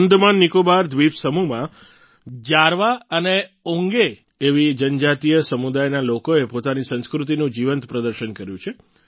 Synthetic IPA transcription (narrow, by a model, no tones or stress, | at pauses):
nd̪manːikobaɾd̪ʱʋipsəmumã | d͡ʒaɾʋaəneõŋɡeː | ʋid͡ʒənd͡ʒat̪ijəsəmud̪ajnalokoepot̪anisə̃ñskɾut̪̬inũd͡ʒiʋənt̪pɾəd̪əɾʃənkəɾjũt͡ʃʰe